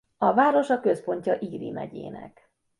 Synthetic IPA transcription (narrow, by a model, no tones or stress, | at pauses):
ɒvaːɾo̞ʃɒkø̞spo̞ɲcɒʔiːɾḭmɛɟḛːnɛ̰k